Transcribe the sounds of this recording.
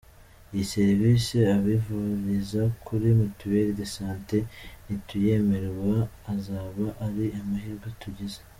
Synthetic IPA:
jise̞ɾviːseaβivuɾizakʰuɾimutuweɾidesaːnte̞nituje̞me̞ɾewaː | zaːβaʔaɾiamahiːɾɡwatuɟeze̥

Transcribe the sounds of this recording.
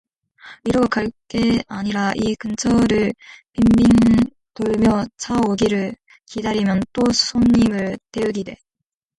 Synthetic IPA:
iɾʌɡek͈aɭk͈e̞aɲiɾaʔikɯnt͡ɕʰʌɾɯɭpimbiŋ | toɭmjʌt͡ɕʰaoɡiɾɯɭ | kidaɾimjʌnt͈osʰoɲːimɯɭte̞ɯɡide̞

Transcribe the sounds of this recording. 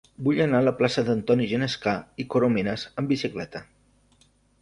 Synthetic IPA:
buʎənaələplasəðənt̪ɔniʒənəskaikoɾominəzəmbisiklɛ̰t̪ə

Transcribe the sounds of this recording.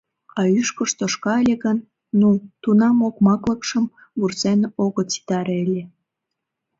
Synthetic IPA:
ɑyʃkəʃt̪oʃkɑəlʲeɣənː | ut̪unɑmokmɑkləkʃəm | βursenoɣot͡si̥t̪ɑɾelʲe

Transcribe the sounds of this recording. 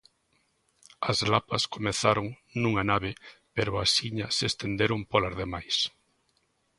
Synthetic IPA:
ɐzlapɐskomeθaɾoŋ | nũŋanaβɪpeɾʊasiɲɐsest̪end̪eɾompolazðemajs

